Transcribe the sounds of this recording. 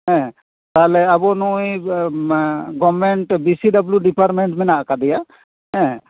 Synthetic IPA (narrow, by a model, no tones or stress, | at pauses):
ɦɛ̃ | t̪aɦlɛabɔnuj | ɡɔbmɛɳʈbisiɖabljuɖipaɾʈmeɳʈmɛnaʔkad̪ija | ɦɛ̃